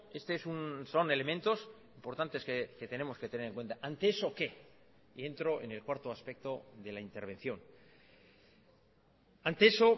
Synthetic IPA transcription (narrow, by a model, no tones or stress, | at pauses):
e̞st̪eesunso̞ne̞le̞mẽnt̪o̞simpo̞ɾt̪ant̪e̞skeket̪e̞ne̞mo̞ske̞t̪e̞ne̞ɾe̞ŋkwe̞nt̪aʔant̪eeso̞ke̞ | ie̞nt̪ɾo̞ʔe̞̰nelkwaɾt̪oaspe̞k̚t̪o̞ðe̞laint̪e̞ɾβe̞n̟θjo̞n | ant̪ee̞so̞